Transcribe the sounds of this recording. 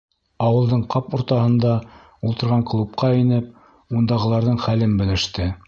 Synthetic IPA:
ɑwɤ̆lˠd̪ɤɴqɑpŏɾt̪ɑhɤ̆nd̪ɑ | ulˠt̪ɤ̆ɾʁɑŋklˠup̚qɑinɘp̚ | und̪ɑʁɤ̆lˠɑɾðɤɴχælɘnbɘ̆lɘ̆ʃt̪ɘ

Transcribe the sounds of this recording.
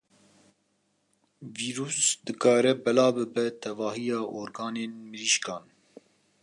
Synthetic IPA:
viːɾuːsd̪ɨkɑːɾɛbɛlɑːbɨbɛt̪ʰɛvɑːɦijɑːʔoːɾɡɑːneːnmɨɾiʃkɑːn

